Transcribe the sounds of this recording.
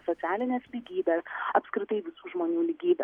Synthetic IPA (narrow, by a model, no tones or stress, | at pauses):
soːtsʲæːlʲɪnʲeːslʲiɡʲiːbʲeːsɐpskɾʲɪt̪ɐɪʋʲɪsuːʒmoːnʲuːlʲiːɡʲiːbʲɛ̰